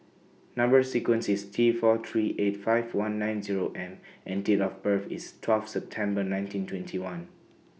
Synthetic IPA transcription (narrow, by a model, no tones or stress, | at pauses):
nãmbəsikwə̃nsistʰifɔt̪ʰɹiʔetfaɪvwãnːãj̃nziɹoʔɛ̃mʔɛ̃ndetɔfbəfistʰwɛlfsɛp̚tʰɛ̃mbənãj̃ntĩntʰwɛ̃ntʰiwãn